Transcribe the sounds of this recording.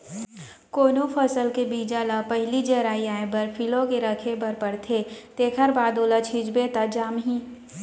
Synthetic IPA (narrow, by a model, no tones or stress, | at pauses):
koːnopʰɐsəlkebiːd͡ʒalapɛɦlid͡ʒɐɾaːiaːẽbɐɾpʰɪlokeɾɐkʰepɐɾpɐɽt̪ʰet̪eːkʰəɾbaːd̪oːlat͡ʃʰɪd͡ʒbet̪ad͡ʒaːmɦĩː